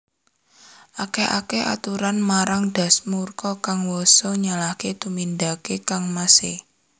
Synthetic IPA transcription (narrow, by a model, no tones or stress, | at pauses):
ʔakeʔa̰keʔa̰t̪uɾanmaɾaŋd̥a̤smurkɔkaŋwosoɲalahket̪umind̪akekaŋmasɪh